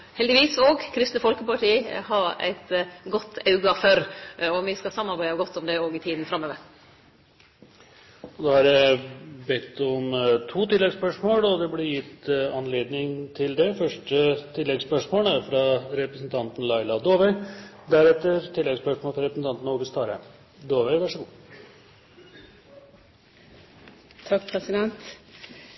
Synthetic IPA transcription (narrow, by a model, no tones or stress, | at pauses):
hɛld̪ɪʋiːsoːɡkʰɾɪst̪nəfɔlkəpɑʈiːəhɑɾæ̰ɪt̪ɡɔt̪ːɑʉɡɑfœɾɔʋɪskɑsɑmːɑɾbæɪd̪əɡɔt̪ːɔmd̪ɛoːɡɪt̪ʰiːd̪n̩fɾɑmːøːʋəɾ | ɔd̪oːhɑɾjæɪbɛt̪ːɔmt̪ʰuːt̪ʰɪlːɛɡspœʂmoːlɔd̪ɛblɪɾjɪt̪ːɑnleːd̪nɪŋt̪ʰɪld̪ɛfœʂʈət̪ʰɪlːɛɡspœʂmoːləfɾɑɾɛpɾəsnt̪ʰɑnt̪n̩lɑɪlɑd̪oːʋəɪd̪æɾɛt̪ːəɾt̪ʰɪlːɛɡspœʂmoːlfɾɛpɾəsn̩ɑnt̪nuːɡəst̪ʰɑːɾəm | d̪oːʋɛʋæʂəɡuː | t̪ʰɑkːpʰɾɛsɪd̪ɛnt̪